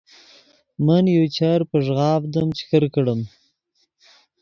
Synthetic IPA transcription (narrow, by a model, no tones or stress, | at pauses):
manjawt͡ʃaɾpəʒɣɑfd̪əmt͡ʃɪ̥xəɾkəɽəm